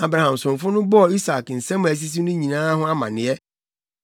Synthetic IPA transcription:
a˨bɾa˨hã˨msʊ̃˨ɱ˨fʊ˦nʊ̃˦bɔ˦˨i˦sa˨kn̩˨sɛ̃˦m˦˨æ˨s̬i˦s̬i˦nʊ̃˦ɲĩ˨nãː˦ɦʊ̃˦a˦mã̰˨nɪ̃˨ɛ˦

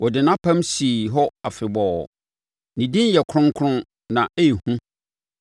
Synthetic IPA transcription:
wɔ˨dɪ˨nã˦pʰã˦msi˨ɦɔ˦a˨fɪ˨bɔː˨ | nĩ˨dĩ˦n˦jɛ˨kʰɾʊ̃˦ŋ˦kʰʊ̃˦n | nã˨ʔe˦ji˨hũ˦

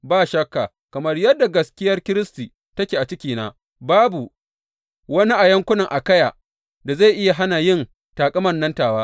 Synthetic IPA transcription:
baː˦˨ʃɐ˦kːa˨ | kɐ˨mɐ˦rjɐ˦dːa˨ɡɐ˦skʲɪ˦jɐ˦rkʲɪ˦ɾɪ˦stiː˨ | tɐ˦kʲeː˨ʔa˨t͡ʃɪ˦kʲiː˨naː˦ | baː˦bu˨ | wɐ˦ni˦ʔa˨jɐ˦ŋkʷʊ˦nɐ˨ŋʔa˨kɐ˦jaː˨ | da˨za˦˨jʔɪ˦ja˨ɦa˦na˨jɪ˦˨n | taː˨kʼɐ˦mɐ˦nːɐ˦ntaː˨waː˦

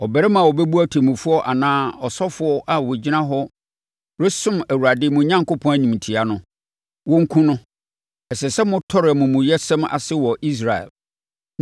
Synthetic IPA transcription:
ɔ˨bɛ˨ɾɛ˦mã˨wɔ˨bɛ˦bu˦æ˦tʰe˨mũ˨fʊ˦ɔ˦ʔa̰˨nãː˦ɔ˨sɔ˦fʊ˨˦ɔ˦ʔa˨wɔ˨d͡ʑi˦nã˦ɦɔ˦ | ɾe˦sʊ̃˦mæ˨wu˨ɾa˨dɪː˦mʊ̃˨ɲã˦ŋkʊ˦pʰɔ̃˦æ˨ɲĩ˨m˨tʰi˨a˨nʊ̃˦ | wɔ̃˦ŋ̩˦kʰũ˦nʊ̃˦ | ɛ˨sɛ˨sɛ˦mʊ̃˦tʰɔ˦ɾɪ˨ɛ˨mʊ̃˨mʊ̃˨jɛ˦sɛ̃˦ma̰˨sɪ˦wɔ˨ʔi˦s̬ɾa˨ɛ̰˨l

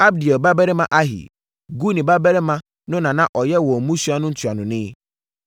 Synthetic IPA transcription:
a˦b̚di˨ɔ˨ba˦bɛ˦ɾe˦mã˦ʔa˦ɦḭ˨ | ɡu˦nĩ˨ba˦bɛ˦ɾe˦mã˦ | nʊ̃˦nã˨nã˦ʔɔ˨jɛ˦wɔ˨mũ˦su˦a˦nʊ̃˦n̩˦tʰu˨a˨nʊ̃˨nɪ̃˦

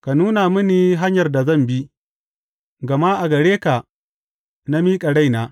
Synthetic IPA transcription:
ka˨nuː˦na˨mʊ˦niː˨ɦa˦ɲjɐ˨rda˨zɐ˦˨mbi˦ | ɡɐ˨ma˦ʔa˨ɡɐ˨ɽeː˦ka˨ | na˦miː˦kʼɐ˨ɽa˦jnaː˦

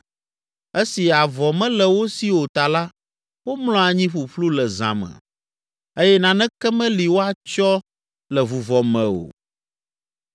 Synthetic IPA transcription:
e˦si˨a˨vɔ˨mɛ̃˦lɛ˨wo˦si˦wo˨t̪a˨la˦ | wo˦mlɔ̃˦a˨ɲĩ˦ɸu˨ɸlu˦lɛ˨zã̰˨mɛ̰̃˨ | e˦jɛ˦nã˨nɛ̃˦kɛ˦mɛ̃˦li˨wo˦a˨t͡ʃɔ˦ | lɛ˨vu˨vɔ˨mɛ̃˨o̰˨

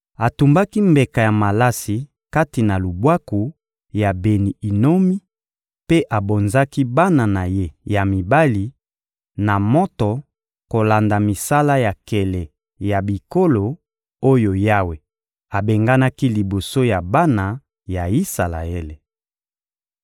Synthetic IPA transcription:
a˨tu˨mba˦ki˦mbe˨ka˨ja˨ma˨la˦si˨ | ka˦ti˨na˨lu˨bwa˦ku˨ | ja˨be˨ni˨i˨no˦mi˦ | pe˦ʔa˨bo˨nza˦ki˦ba˦na˨na˨je˦ja˨mi˨ba˦li˨ | na˨mɔ˦tɔ˨ | ko˨la˨nda˨mi˨sa˦la˦ja˨kɛ˨lɛ˨ | ja˨bi˨ko˦lo˨ | o˦jo˨ja˦we˨ | a˨be˨ŋɡa˦na˦ki˦li˨bo˨so˦ja˨ba˦na˨ | ja˨i˦sa˨la̰˨e˦le˨

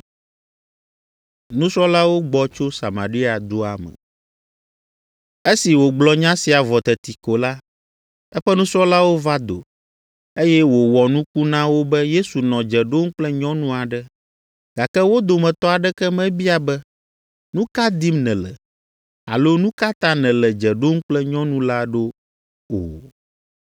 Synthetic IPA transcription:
nũ˦sɾɔ˦la˦wo˦ɡ͡bɔ˨t͡ʃo˦sa̰˨ma̰˨ɾi˦a˨d̪o˦a̰˨mɛ̰̃˨ | e˦si˨wo˨ɡ͡blɔ˦ɲã˦si˨a˨vɔ˨t̪ɛ˨t̪i˨ko˨la˦ | ɛ˦ɸɛ˦nũ˦sɾɔ˦la˦wo˦va˦d̪o̰˨ | e˦jɛ˦wo˨wɔ˨nũ˦ku˦nã˦wo˦bɛ˦je˦su˨nɔ̃˨d͡ʒɛ˨ɖo˦ŋ̩˦k͡plɛ˦ɲɔ̃˦nũ˦a˨ɖɛ˦ | ɡ̥a˨kɛ˦wo˦d̪o˨mɛ̃˨t̪ɔ˦a˨ɖɛ˦kɛ˦mɛ̃˦bi˦a˨bɛ˦ | nũ˦ka˦d̪i˦mnɛ̃˨lɛ̰˨ | a̰˨lo˦nũ˦ka˦t̪ã˦nɛ̃˨lɛ˨d͡ʒɛ˨ɖo˦ŋ̩˦k͡plɛ˦ɲɔ̃˦nũ˦la˦ɖo˦ | o̰˨

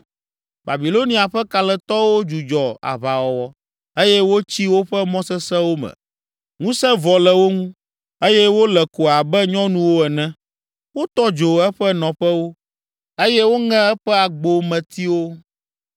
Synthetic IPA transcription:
ba˨bi˨lo˦nĩ˨a˨ɸɛ˦ka˨lɛ˨t̪ɔ˦wo˦d͡ʒu˨d͡ʒɔ˨a̰˨βa˨wɔ˨wɔ˦ | e˦jɛ˦wo˦t͡ɕi˦wo˦ɸɛ˦mɔ̃˦sɛ˦sɛ˦wo˦mɛ̰̃˨ | ŋũ˦sɛ̃˦vɔ˨lɛ˨wo˦ŋũ˦ | e˦jɛ˦wo˦lɛ˨ko˨a˨bɛ˦ɲɔ̃˦nũ˦wo˦ɛ˨nɛ̃˦ | wo˦t̪ɔ˦d͡ʒo˨ɛ˦ɸɛ˦nɔ̃˨ɸɛ˦wo˦ | e˦jɛ˦wo˦ŋɛ̃˦ɛ˦ɸɛ˦a˨ɡ͡bo˨mɛ̃˨t̪i˦wo˦

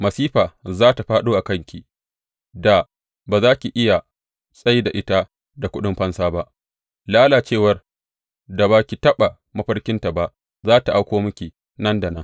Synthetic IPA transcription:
mɐ˨siː˦ɸaː˨zaː˦ta˨ɸaː˦ɗoː˦ʔa˨kɐ˦ŋkʲi˨ | da˨ | baː˨zaː˦kʲi˨ʔɪ˦ja˨ | sʼɐ˦jda˨ʔɪ˦ta˦ | da˨kʷʊ˦ɗɪ˦mɸɐ˦nsaː˦ba˦ʔ | laː˦laː˨t͡ʃeː˦˨wɐ˨r | da˨baː˦kʲi˨tɐ˦ɓa˨ | mɐ˦ɸɐ˦rkʲɪ˦nta˨ba˦ʔ | zaː˦ta˨ʔa˦kʷoː˦mʊ˦kʲi˨ | nɐ˦nda˨nɐ˦ŋ

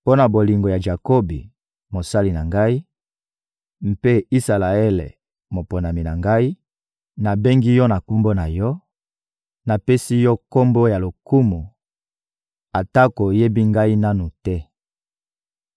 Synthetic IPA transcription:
po˦na˨bo˨li˨ŋɡo˨ja˨ʒa˨ko˦bḭ˨ | mo˨sa˦li˨na˨ŋɡa˦i˦ | m̩˨pe˦i˦sa˨la˨ɛ˦lḛ˨ | mo˨po˨na˨mi˨na˨ŋɡa˦i˦ | na˨be˦ŋɡi˦jɔ˦na˨ku˦mbo˦na˨jɔ˦ | na˨pe˦si˦jɔ˦ko˦mbo˦ja˨lo˨ku˦mu˨ | a˨ta˦ko˨je˦bi˦ŋɡa˦i˦na˦nu˨tɛ˦

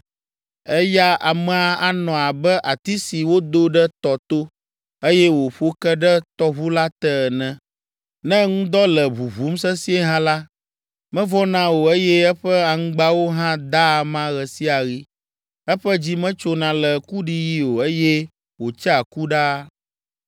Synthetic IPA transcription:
ɛ˦ja˦a˨mɛ˨a˨a˨nɔ̃˨a˨bɛ˦ʔa˨t̪i˦si˨wo˦d̪o˦ɖɛ˦t̪ɔ˨t̪o˦ | e˦jɛ˦wo˨ɸo˦kɛ˦ɖɛ˦t̪ɔ˦βu˦la˦t̪ɛ˦˨nɛ̃˦ | nɛ̃˦ŋũ˦d̪ɔ˦lɛ˨βu˨βu˨˦m˦s̬ɛ˦si˦e˦ɦã˦la˦ | mɛ̃˦vɔ˦nã˦wo˨e˦jɛ˦ɛ˦ɸɛ˦a˨ŋũ˦ɡ͡ba˦wo˦ɦã˦d̪a˦˨mã˦ɣɛ˨si˦a˨ɣi˦ | ɛ˦ɸɛ˦d͡ʑi˦mɛ̃˦t͡ʃo˦nã˨lɛ˨ku˦ɖi˨ji˦o˨e˦jɛ˦ | wo˨t͡ʃɛ˦a˨ku˦ɖa˦

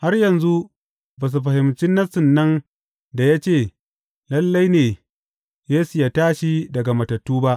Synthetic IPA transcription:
ha˦rjɐ˨nzu˦ʔ | ba˨s̬u˨ɸɐ˨hɪ˨mt͡ʃɪ˦nːɐ˦sʊ˨nːɐ˦n | da˨ja˦t͡ʃeː˦˨ | lɐ˦lːa˦jneː˨ | jeː˦su˨jaː˦taː˦ʃi˦dɐ˨ɡa˨mɐ˨tɐ˨tːuː˦ba˦ʔ

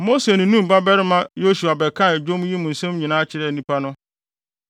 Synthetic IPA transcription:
mo˦se˨nɪ̃˨nũ˦m˨ba˦bɛ˦ɾɪ˦mã˦jo˦su˨a˨bɛ˨kʰã˦˨d͡ʑᶣo˦m˦ji˦mʊ̃˨n̩˨sɛ̃˦mɲĩ˨nãː˦t͡ɕʰɪ˨ɾɛ˨nĩ˦pʰa˦nʊ̃˦

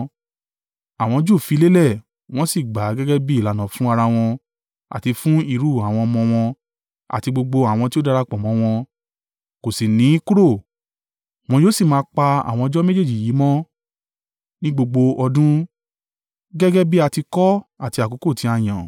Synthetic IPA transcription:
a˨w̃ɔ̃˧d͡ʒu˦˨fi˨˧˦le˦lɛ˦˨ | w̃ɔ̃˦si˦˨ɡ͡ba˨˦ɡɛ˦ɡɛ˦bi˦i˦˨la˨nã˨fũ˦a˧ɾa˧w̃ɔ̃˧ | a̰˨ti˧fũ˦i˧ɾu˦˨a˨w̃ɔ̃˧ɔ˧mɔ̃˧w̃ɔ̃˧ | a̰˨ti˧ɡ͡bo˧ɡ͡bo˧a˨w̃ɔ̃˧ti˦o˦da˧ɾa˧k͡pɔ˨mɔ̃˨˦w̃ɔ̃˧ | ko˨si˨nĩ˨˦ku˦ɾo˦˨ | w̃ɔ̃˧joː˦si˦˨mãː˧˦k͡pa˧a̰˨w̃ɔ̃˧d͡ʒɔ˦me˦d͡ʒe˦˨d͡ʒi˨ji˨˦mɔ̃˦ | nĩ˦ɡ͡bo˧ɡ͡bo˧ɔ˧dũ˦ | ɡɛ˦ɡɛ˦bi˦a˧ti˧kɔ˦a˨ti˧a˨ko˨˦ko˦˨ti˨˦a˧˨j̃ã˨

